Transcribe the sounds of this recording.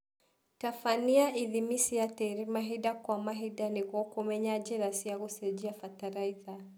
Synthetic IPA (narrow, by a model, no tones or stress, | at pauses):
tafaniaʔiðimisijatɛɾimaɦidakwamaɦidaniɣɔkɔmɛɲad͡ʒɛɾasiaɣusɛd͡ʒiafataɾaiða